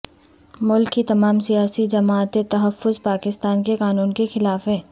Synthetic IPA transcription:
mʊlkːit̪ɐmaːmsijaːsid͡ʒɐmaːt̪et̪ɐɦɐfːʊzpaːkɪst̪aːnkeqaːnuːnkexɪlaːfɦɛː

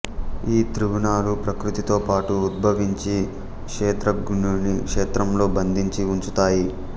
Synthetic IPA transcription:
iːt̪ɾuʋunaːlupɾɐkɾut̪it̪o̞ːpaːʈuːd̪̚bʱɐʋiɲt͡ʃi | kʂeːt̪ɾɐɡuɳunikʂeːt̪ɾɐmlo̞ːbɐnd̪ʱiɲt͡ʃiuɲt͡ʃut̪aːji

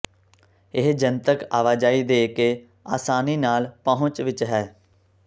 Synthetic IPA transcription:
ɪɦd͡ʒənt̪əkaːʋaːd͡ʒaːiːd̪eːkeː | aːsaːniːnaːlpəɦʊ̃t͡ʃʋɪt͡ʃɦɛː

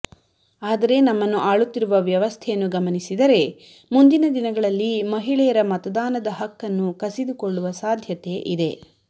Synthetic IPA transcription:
aːd̪ɐɾe̞nɐmːɐnːuʔaːɭut̪ːiɾuʋɐʋjɐʋɐst̪ʰɛjɐnːuɡɐmɐnisid̪ɐɾe̞ | mund̪inɐd̪inɐɡɐɭɐlːimɐɦiɭɛjɐɾɐmɐt̪ɐd̪aːnɐd̪ɐɦɐkːɐnːukɐsid̪uko̞ɭːuʋɐsaːd̪ʱjɐt̪e̞ʔid̪e̞

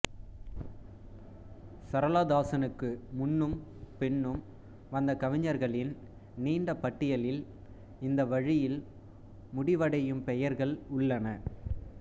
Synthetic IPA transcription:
sɐɾɐlaːd̪aːsɐnɯkːɯmʊnːɯm | pɛɳːɯm | ʋɐnd̪ɐkɐʋɪɲːɐɾɣɐɭɪn | niːɳɖɐpɐʈːɪjɐlɪl | ɪnd̪ɐʋɐɻɪjɪl | mʊɽɪʋɐɽɐjɯmpɛjɐɾɣɐɭʊɭːɐnɐ

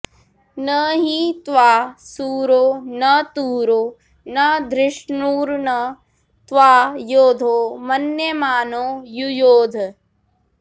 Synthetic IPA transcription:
nɐɦit̪ʋaːsuːɾoːnɐt̪uːɾoː | nɐd̪ɾɪʃnuːɾnɐ | t̪ʋaːjoːd̪ʱoːmɐnjɐmaːnoːjujoːd̪ʱ

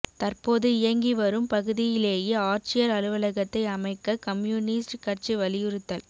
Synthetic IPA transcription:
t̪ɐrpoːðɯɪjɐŋɡiʋɐɾɯmpɐɣɯðɪjɪleːjeːaːɾt͡ʃɪjɐɾɐlɯʋɐlɐɣɐt̪ːɐɪɐmɐɪkːɐkɐmjuːnɪsʈkɐrt͡ʃiʋɐlɪjɯɾɯt̪ːɐl

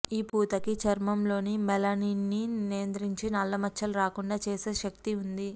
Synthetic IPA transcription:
iːpuːt̪ɐkit͡ʃɐɾmɐmlo̞ːnimɛlɐniːnːinijɐnd̪ɾiɲt͡ʃinɐlːɐmɐt͡ʃːɐluɾaːkuɳɖaːt͡ʃeːseːʃɐk̚t̪iund̪i

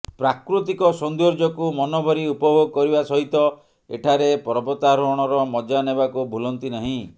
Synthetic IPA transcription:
pɾakɾut̪ikɔsɔnd̪uɾd͡ʒɔkumɔnɔbʱɔɾiupɔbʱoɡɔkɔɾibasɔɦit̪ɔ | ḛʈʰaɾepɔɾɔbɔt̪aɾɔɽ̃ɔɾɔmɔd͡ʒanebakubʱulɔnt̪inaɦĩ

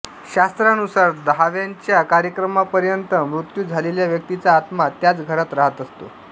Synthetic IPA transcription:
ɕast̪ɾanusaɾd̪əɦaʋjaɲt͡ɕjakaɾjəkɾəmapəɾjənt̪əmɾut̪juːd͡zʱaleljaʋjək̚t̪it͡saːt̪mat̪jat͡sɡʱəɾat̪ɾaɦət̪əst̪o̰

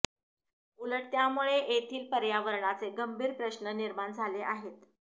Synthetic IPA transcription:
uləʈ̚t̪jamuɭeʔet̪ʰiːlpəɾjaʋəɾɳat͡seɡəmbʱiːɾpɾəɕnəniɾmaɳd͡zʱaleʔaɦet̪

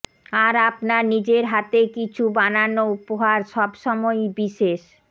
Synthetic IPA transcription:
aɾapnaɾnid͡ʑeɾɦat̪ekit͡ɕʰubananoupoɦaɾʃɔbʃɔmɔjbiʃeʃ

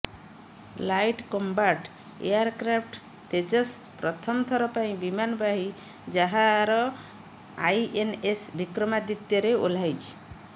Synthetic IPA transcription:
lajʈkombaʈ | ḛjaɾkɾapʰʈ | t̪ed͡ʒəspɾʌt̪ʰʌmt̪ʰʌɾɔpaĩbimanbaɦi | d͡ʒaɦaɾʌ | ajʔenesbikɾəmad̪it̪jeɾeo̰l̤ajt͡ʃʰ

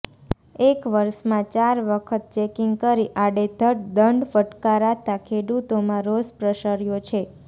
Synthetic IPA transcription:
ekʋəɾʃmãt͡ʃaɾʋəkʰət̪̚t͡ʃekiŋɡkəɾiʔaɽed̪ʱəʈd̪əɳɖfəʈkaɾat̪akʰeɽut̪omãɾospɾəʃəɾjot͡ʃʰe

